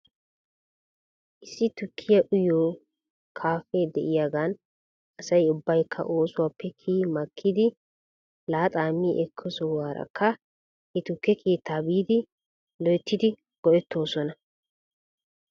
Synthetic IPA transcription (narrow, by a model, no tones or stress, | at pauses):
ʔɪsːɪt̪ʊkʰːɪjɐʔʊjoː | kʰaːfeːd̪ɛʔɪjaːɡan | ɐsɐjʊbːɐjkʰːɐ̰ʔo̞ːsʊwaːpʰːɛkʰiːmɐkʰːɪd̪ɪ | laːt̪ʼaːmːiʔɛkʰːɔsɔwaːɾɐ̰kʰːɐ | ɛt̪ʊkːɛkʰeːt̪ʰːaːbiːd̪ɪ | lɔjt̪ːɪd̪ɪ | ɡ̥ɔʔɛt̪ːo̞ːsɔnɐ